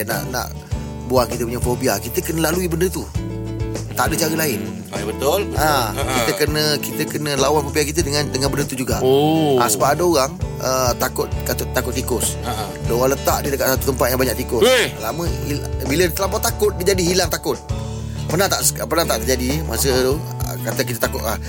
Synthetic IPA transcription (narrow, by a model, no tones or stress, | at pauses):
na̰ʔna̰ʔ | buahkit̪əpuɲafobiakit̪əkənəlaluibəndət̪u | t̪a̰ʔdət͡ʃaɾəlaɪn | bət̪ʊolakit̪əkənə̃kit̪əkənə̃lawanfobiakit̪ədəŋandəŋanbəndət̪ud͡ʒuɡaʔoʔasəbap̚adəoɾaŋət̪akʊt̪̚att̪akʊt̪̚ːikʊs | dəoɣaŋlət̪aʔdidəkat̪̚sat̪u̥t̪əmpat̪̚jaŋbaɲaʔt̪ikʊslamə̃ibilət̪əlampɔʔt̪akʊt̪̚did͡ʒadiɦilaŋt̪akʊt̪̚ | pərnaht̪aʔspərnat̪aʔt̪ərd͡ʒadimʔasə | ə̰kat̪əkit̪ət̪akʊt̪lah